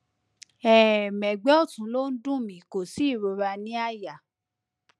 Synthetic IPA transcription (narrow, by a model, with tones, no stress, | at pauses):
ɛ˨mɛ̃˨ɡ͡bɛ˦ɔ˦˨tũ˨˦lo˦n̩˦dũ˦˨mĩ˨˦˨ko˨si˦˨ɾo˧ɾa˧nĩ˦a˦˨ja˨